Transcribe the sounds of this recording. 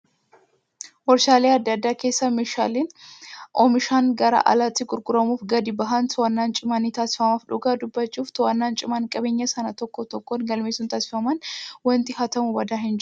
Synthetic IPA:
wɔɾʃaːleːɐd̪ːɐd̪ːaːke̞ːsːɐmeːʃa̰ːleːnʔɔmɪʃaːnɡɐɾɐ̰ʔɐ̰lat̪ːɪɡʊɾɡʼʊɾɐmuːfɡɐd̪ɪbɐɦɐnsʊwɐnːaːnt͡ʃʼɪmɐniːt̪aːsɪ̥fɐmaːfᶑʊɡaːd̪ʊbːɐt͡ʃːuːft̪ɔwɐnːaːnt͡ʃʼɪmankʼɐbeːɲːɐsɐnɐt̪ɔkːot̪ɔkːɔnɡɐlmeːsʊnt̪aːsɪ̥fɐmɐnwɔnt̪ɪhɐt̪ɐmʊbɐd̪aːɦɪnd͡ʒ

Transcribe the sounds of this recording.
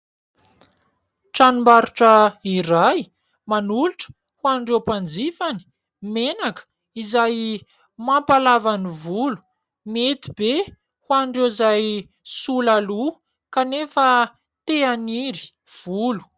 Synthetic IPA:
ʈ͡ʂanumbaɾuʈ͡ʂəiɾaj | manuluʈ͡ʂə̥ | huanɖ͡ʐewpand͡zifani̥ | menakə̥ | izaj | mapalavanivulu̥ | met̪i̥b̥e | hwanɖ͡ʐewzaj | sulalu | kanefə | t̪eaniɾi̥ | v̥ulu̥

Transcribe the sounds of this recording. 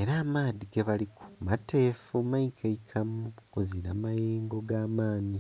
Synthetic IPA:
e̞ɾaːmaːðiɡeβaliku̥matʰeːfumajikʰaikʰamukozinamajeːŋɡo̞ɡaːmaːni

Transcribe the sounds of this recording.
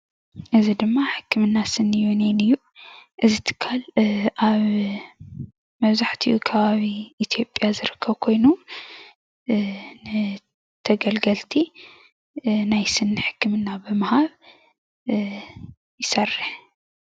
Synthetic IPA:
ʔɨzid̪ɨmːaħɨkːɨmɨnːasɨnːɨjunenɨjːu | ʔɨzit̪ʰɨ̥kʰːalʔaβ | mɐβzaħt̪ʰiukʰɐβaβiːt̪ʰjo̞pʼjazɨɾɨkʰːɐβkʰo̞jnu | nɨ | t̪ʰɐɡɐlɡɐlt̪ʰi | najsɨnːɨħɨ̥kʰːɨmɨnːabɨmɨhaβ | jɪsɐrːɨħ

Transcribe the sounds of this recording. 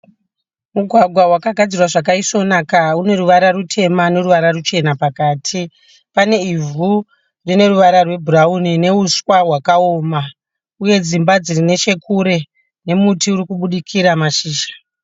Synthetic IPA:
muɡʱwaɡʱwawakaɡʱad͡zirwaʐak̬aiso̞nakaune̞ruʋaɾarutʰe̞mane̞ɾuʋaɾarut͡ʃe̞napakaːtʰi | pane̞ivu | rine̞ruʋaɾarwe̞bʱuraunine̞uswaɦwakao̞ːma | uje̞d͡zimbad͡zirine̞ʃe̞kʰuɾe̞ | ne̞mutiuɾikuɓuɗikʰiɾamaʃiːʃḁ

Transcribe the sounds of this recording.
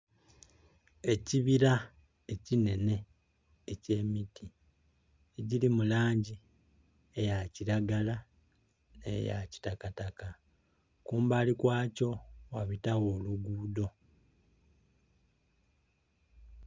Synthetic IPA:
e̞ciβiɾa | ecine̞ne̞ | ece̞ːmitʰi | eɟilimulaːɲɟi | ejaciɾaɡala | nḛja̰ci̥takataka | kuːmbaːlikwaːco̞waβitawo̞ːluɡuːdo̞

